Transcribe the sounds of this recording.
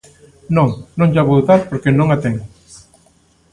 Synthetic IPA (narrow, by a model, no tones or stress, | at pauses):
nõŋnõŋd͡ʒaβoðt̪aɾpoɾkenõŋat̪eŋ